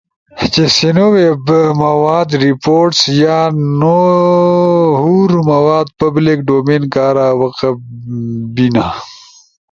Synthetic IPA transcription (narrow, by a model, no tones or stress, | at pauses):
t͡ʃesinowebmɐwaːd̪ɾipoːɾʈsjaːno | ɦuɾmɐwaːd̪pɐblikɖoːmeːnkaːɾaːwɐqɐ | bina